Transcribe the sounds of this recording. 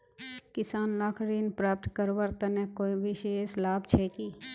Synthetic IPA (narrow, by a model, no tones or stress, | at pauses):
kɪsaːnlaːkʰɾiːnpɾaːp̚t̪kəɾʋəɾt̪ənekoːiʋɪʃeːʃlaːbt͡ʃʰɛːkiː